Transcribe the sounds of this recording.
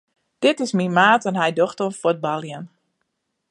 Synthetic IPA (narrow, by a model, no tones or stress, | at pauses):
d̥ɪtɪsmimaːtənɦɛjdoxtənfot̚balˠjən